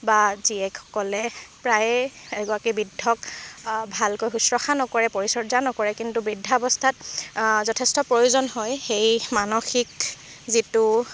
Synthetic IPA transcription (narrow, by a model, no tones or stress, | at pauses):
baziɛkxɔ̥kɔlɛpɹajɛɡɔakibidʱːɔkbʱalkojxusɹɔxanɔkɔɹɛpoɹisɔdzanɔkɔɹɛkintubidʱːaɔbɔstʰat̚zɔtʰɛstɔpɹojuzɔnɦɔjxejmanɔxik | zitu